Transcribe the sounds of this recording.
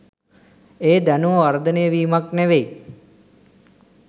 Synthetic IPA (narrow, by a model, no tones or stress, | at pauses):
eːd̪ænuʋʋɐɾd̪ənejəʋiːmakneʋej